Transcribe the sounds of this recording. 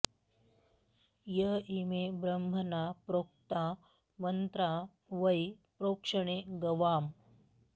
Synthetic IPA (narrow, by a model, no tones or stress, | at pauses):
jəimebɾɐmbʱɐnaːpɾoːk̚t̪a | mɐnt̪ɾa | ʋɐjpɾoːkʂɐɳ̃eɡɐʋaːm